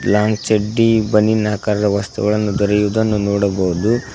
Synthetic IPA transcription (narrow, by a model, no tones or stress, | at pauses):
laːŋɡt͡ʃeɖːibɐnːinaːkaːɾɐd̪ɐʋɐst̪ṵɡɐɭɐnːud̪ɔɾɐjud̪ɐnːunɔːɽɐbɐɦud̪u